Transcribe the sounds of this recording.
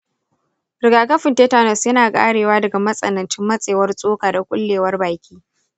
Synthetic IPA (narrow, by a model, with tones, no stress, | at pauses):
ɾɪ˨ɡaː˨kɐ˦ɸɪ˨nteː˦taː˨nɐ˨sjɐ˦naː˨kʼa̰ː˦ɽeː˨waː˦dɐ˨ɡa˨mɐ˦sʼɐ̰˨nɐ˨nt͡ʃɪ˦mːɐ˦sʼeː˨wɐ˦rsʼoː˦kaː˨da˨kʷʼʊ̰˦lːeː˨wɐ˦rbaː˨kʲʰʼiː˦